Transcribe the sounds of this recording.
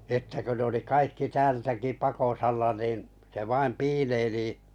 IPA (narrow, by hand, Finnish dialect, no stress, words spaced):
sĭtːe kø ne oli kɑikːi tæːltæki pɑkosɑlːɑ niːn se ʋɑim piːleiliˑ